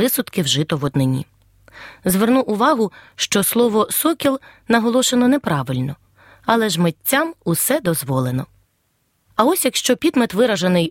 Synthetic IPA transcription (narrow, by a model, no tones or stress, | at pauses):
ɪsʊt̪kɪwʒɪt̪ɔʋɔd̪nɪnʲḭ | zʋernuʔʊʋɑɦʊʃt͡ʃɔslˠɔʋɔsɔkʲilˠ | nɐɦɔlˠɔʃenɔnɛpɾɑʋɪlʲnɔ | ɐlˠɛʒmetʲːɑmusɛd̪ɔzʋɔlˠenɔ | ɐɔsʲjɐkʃt͡ʃɔpʲid̪met̪ʋɪɾɐʒɐnɪj